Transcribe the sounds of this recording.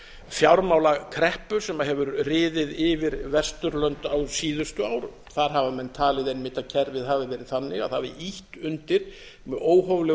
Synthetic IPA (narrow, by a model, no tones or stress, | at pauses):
fjawɾmaːwlakʰɾɛhpʏsɛmaɦɛvʏɾrɪːðɪðɪvɪɾvɛst̪ʏɾlœnt̪awsiːðʏst̪ʏaːwɾ | θaɾ̥ɦavamɛnːt̪ʰaːlɪðejnmɪːt̪aðcʰɛɾvɪðhaːvɪvɛːɾɪðθanːɪɣa̰ðθavɪʔiht̪ʏnt̪ɪɾ̥ | mɛoːwɦɔvlɛ